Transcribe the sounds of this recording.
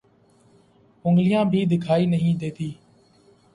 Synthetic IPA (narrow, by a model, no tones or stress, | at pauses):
ʊŋɡlɪjãːbʱiːd̪ɪkʰaːiːnəɦĩːd̪eːt̪iː